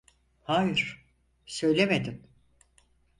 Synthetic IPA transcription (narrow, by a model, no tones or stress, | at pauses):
haːjiɾ̥ | sø̞jlʲemed̪im